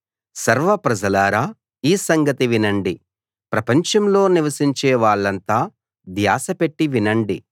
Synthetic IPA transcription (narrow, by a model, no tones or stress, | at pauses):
sɐɾʋɐpɾɐd͡ʒɐlaːɾaː | iːsɐŋɡɐt̪iʋinɐɳɖi | pɾɐpɐɲt͡ʃɐmlo̞ːniʋɐsiɲt͡ʃɛːʋaːɭːɐnt̪aː | d̪jaːsɐpe̞ʈːiʋinɐɳɖi